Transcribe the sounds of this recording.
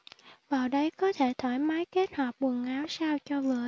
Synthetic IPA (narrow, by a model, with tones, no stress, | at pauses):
vaː˨˩wɗə˨˦jkɔ˨˦t̪ʰe˧˩t̪ʰɔ˧˩jmaː˨˦jke˦˥t̚hɔː˨˩p̚ɓwə˨˩ŋʔaː˨˦wsaː˧wt͡ɕɔ˧vɨː˨˩ə